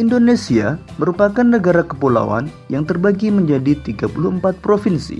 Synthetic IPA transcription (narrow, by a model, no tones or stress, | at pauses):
ʔindonesia | məɾupakanːəɡaɾakəpula̰wa̰n | jaŋt̪ərbaɡiməɲd͡ʒadit̪iɡapuluəmpat̪̚pɾofinsḭ